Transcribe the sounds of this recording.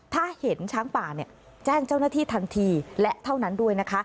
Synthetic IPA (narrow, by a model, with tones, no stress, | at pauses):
t̪ʰaː˥˩he˩˦nt͡ɕʰaː˦˥ŋpaː˨˩ni˨˩ɐ | t͡ɕɛː˥˩ŋt͡ɕa˥˩wnaː˥˩t̪ʰiː˥˩t̪ʰa˧nt̪ʰiː˧lɛ˦˥ʔt̪ʰa˥˩wna˦˥ndu˥˩əjna˦˥kʰa˦˥